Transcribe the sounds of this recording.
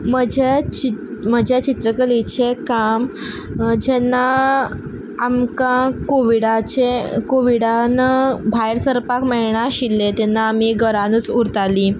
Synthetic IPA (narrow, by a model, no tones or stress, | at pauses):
m̤əd͡ʑʱet͡ɕim̤əd͡ʑʱat͡ɕit̪ɾəkəlit͡ɕekam | d͡ʑɛnːa | mkãkoʋiɽat͡ɕekoʋiɽanabʱajɾsəɾpakmɛɭɳaɕilːet̪ɛnːaːmiɡəɾanuːt͡suɾt̪aliː